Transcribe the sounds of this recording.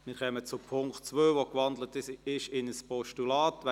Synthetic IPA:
mɪːɾχœmət͡sʊpʰʊŋktt͡sʋøːʋokʋɑnd̪lətɪɪʃɪnəspɔʃtulɑːtʋɛ

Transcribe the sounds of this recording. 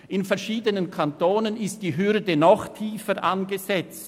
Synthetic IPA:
ʔɪnfɛɐʃiːdənənkʰantoːnənɪst̚d̥iːɦʏɾdənɔχtʰiːfəʔanɡəzɛt͡st

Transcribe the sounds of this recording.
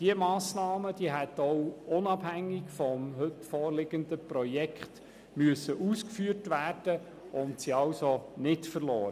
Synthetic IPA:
d̥iəmɑːsnɑːməd̥iəɦɛtɔʊʊnɑb̥hæŋːɪkfɔmɦɵtfɔːrlɪɡ̥ənd̪əpɾɔjɛkχt | myəsːəʔuːskfyːərtʋæːrd̥ə | ʊntsiɑwsonɪtfərlɔːɾə

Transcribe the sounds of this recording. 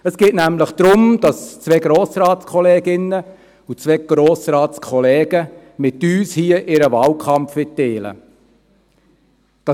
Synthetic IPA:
əsɡ̥eːtnæmləχd̪̥ɾʊmd̥ɑst͡sʋɛɡɾoːsrɑːtskʰɔlɛːɡɪnːə | ut͡sʋɛɡ̥ɾoːsrɑːtskʰɔlɛːɡə | mɪtyːshiəʔɪɾəvɑːlkʰɑmpfʋɪtteːlə̰ | d̥ɑ

